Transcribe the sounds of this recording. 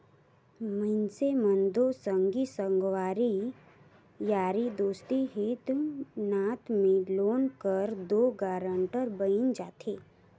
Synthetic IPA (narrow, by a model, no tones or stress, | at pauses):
mənsemə̃nd̪osəŋɡisəŋɡʋaːɾi | jaːɾid̪oːst̪iɦit̪ʊmnaːt̪mẽloːnkəɾd̪oːɡaːɾə̃ɳʈəɾbəɪnd͡ʒaːt̪ʰeː